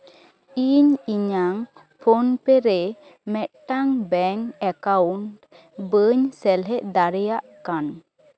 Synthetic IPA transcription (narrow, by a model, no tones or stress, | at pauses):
iɲiɲaŋ | pʰonpɛɾɛ | mɛt̪̚ʈaŋbɛŋɛkawɳʈ | bəɲsɛlɦɛʔd̪aɾɛjaʔkan